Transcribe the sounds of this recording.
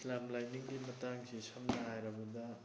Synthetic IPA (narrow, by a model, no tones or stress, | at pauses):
islamlajniŋɡimɐtaŋsisɐmnɐɦajɾɐbudɐ